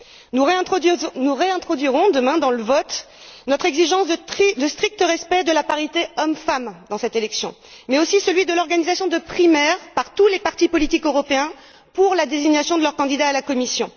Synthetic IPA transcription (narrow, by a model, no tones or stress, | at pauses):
nuʁeɛ̃nuʁeɛ̃t̪χɔd̪ɥiʁɔ̃d̪əmɛ̃d̪ɑ̃ləvɔt̪ | nɔt̪χɛɡziʒɑ̃sd̪əst̪χik̚t̪əʁɛspɛd̪əlapaʁit̪eɔmfamd̪ɑ̃sɛt̪elɛksjɔ̰̃ | mɛosisəlɥid̪əlɔʁɡanizasjɔ̃d̪əpχimɛʁpaʁt̪ulepaʁt̪ipɔlit̪ikøʁɔpeɛ̃ | puʁlad̪eziɲasjɔ̃d̪əlœʁkɑ̃d̪id̪aːlakɔmisjɔ̃